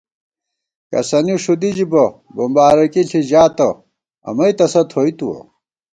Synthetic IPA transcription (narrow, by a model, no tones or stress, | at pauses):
kɐ̰sɐnuʂud̪id͡ʑibɐbɐmbaːɾɐkiɬiʑaːt̪ɐ | ɐ̰mɐit̪ɐsɐt̪ʰoːit̪uwɐ̰